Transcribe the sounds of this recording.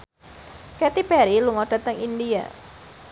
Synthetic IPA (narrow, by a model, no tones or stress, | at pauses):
kɛt̪ipɛɾiluŋɔɖ̥a̤t̪əŋindia̰